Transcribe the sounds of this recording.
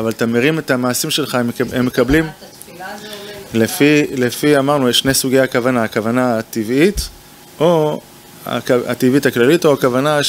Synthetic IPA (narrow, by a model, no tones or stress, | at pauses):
avalt̪ameʁime̞t̪amaːsimʃe̞lχamemːekablim | lefilefiamaʁnujeʃne̞suɡejakavanaakavanat̪ivʔit̪ | ʔo | a̰ka̰t̪ivithaklalito̞akavana